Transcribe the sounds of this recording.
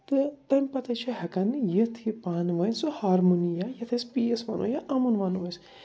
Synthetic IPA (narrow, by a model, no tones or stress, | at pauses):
t̪ɨt̪ɐmʲpɐt̪ɐt͡ʃʰiɦɐkɐnjət̪ʰipaːnʋɐjnsuhaːɾmunijajɐt̪ʰɐspiesʋa̰ːno̰ːjaʔɐmunʋaːnʋɐns